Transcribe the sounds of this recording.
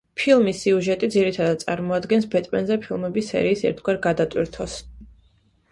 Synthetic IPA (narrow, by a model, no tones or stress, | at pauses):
pʰilˠmisiuʒɛt̪ʼid̪ziɾit̪ʰad̪ad̪̚sʼa̰ɾmɔad̪ɡɛnsbɛt̪ʼmɛ̰nzɛpʰilˠmɛbisːɛ̰ɾiːsɛ̰ɾt̪ʰɡwaɾɡad̪at̪ʼwiɾt̪ʰɔs